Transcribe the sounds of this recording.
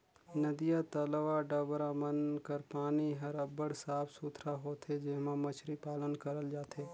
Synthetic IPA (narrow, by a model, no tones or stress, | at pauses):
nɐd̪ijat̪əlʋaɖɐbɾamənkəɾpaːniɦɐɾɐbəɽsaːpʰsuːt̪ʰɾaɦoːt̪ʰed͡ʒɪmãmɐt͡ʃʰɾipaːlənkəɾəld͡ʒaːt̪ʰeː